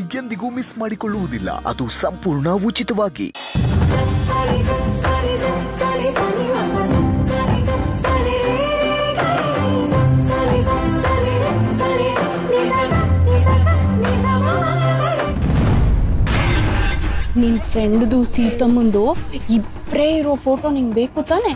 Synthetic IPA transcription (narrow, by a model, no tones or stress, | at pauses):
iɡend̪iɡuːmismaːɽikɔɭːuʋud̪ilːɐ̰ʔɐ̰d̪usɐmpuːɾɳɐut͡ʃit̪ɐʋaːɡḭ | niːnpʰɾeɳɖd̪usiːt̪ɐmund̪uib | ɾeːiɾoːpʰoːʈoːniŋɡbeːkut̪aːne